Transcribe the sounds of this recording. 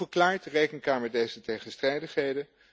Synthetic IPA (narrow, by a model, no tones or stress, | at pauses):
əɹklaːɹtdrejkənkaːmədejzətejχənstrɛjdəχɦejdə